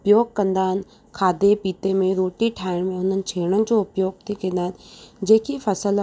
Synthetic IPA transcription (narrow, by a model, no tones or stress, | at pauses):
pjoːɡ̚kə̃nd̪aːn | kʰaːd̪epiːt̪emẽɾoːʈiʈʰaːɪnmẽʊnənt͡ʃʰeːɽ̃ənd͡ʒoːʊpjoːɡ̚t̪ʰikenaːt̪d͡ʒeːkifʰɐsəl